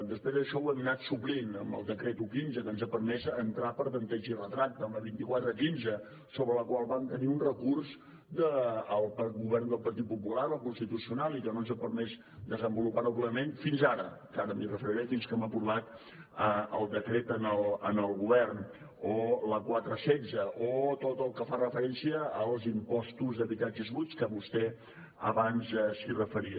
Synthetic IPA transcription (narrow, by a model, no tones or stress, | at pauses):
d̪əspɾezəʃɔwəminat̪suplinəmbə̰lˠd̪əkɾet̪ukinzəkənzəpəɾmɛzənt̪ɾapəɾβənt̪ɛʒirət̪ɾak̚t̪əmləβint̪ikwat̪ɾəkinzə | soβɾələkwalˠβamt̪əniunrəkurs | d̪əːlˠpəɣuβɛrnd̪əlˠpəɾt̪it̪̚pupulaɾəlˠkunst̪it̪usiunalˠikənonzəpəɾmɛz | d̪əzəmbulupaɾoɣləmenfinzaɾəkaɾəmirəfəɾiɾɛfinskɛməpuβat̪ | əəlˠd̪əkɾet̪ənəlˠənəlˠɣuβɛrn | oləkwat̪ɾəsɛzəʔot̪ot̪əlˠkəfarəfəɾɛnsiəːlˠzimpɔst̪uzðəβit̪ad͡ʒəzβut͡skəβust̪ɛ | ə̰βanzɛsirəfəɾiə